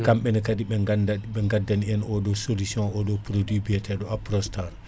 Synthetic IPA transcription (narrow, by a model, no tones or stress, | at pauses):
kamɓɛnɛkadibɛɓɛŋɡadːaniɛnɔɗɔsolisjɔ̃ɔdɔpɾodwibiɛtɛɗɔapɾɔstaɾ